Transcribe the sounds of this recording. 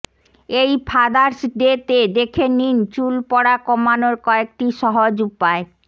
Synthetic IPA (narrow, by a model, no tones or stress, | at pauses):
ejpʰad̪aɾsɖet̪ed̪ekʰenint͡ɕulpɔɽakɔmanoɾkɔek̚ʈiʃɔɦod͡ʑupae